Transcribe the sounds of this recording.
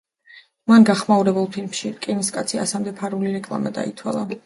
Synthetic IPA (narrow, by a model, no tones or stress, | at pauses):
manɡaχmauɾɛbulˠpʰilmʃikʼiniskʼat̪sʰia̰samd̪ɛpʰaɾuliɾɛkʼlˠa̰mad̪a̰it̪ʰwa̰lˠa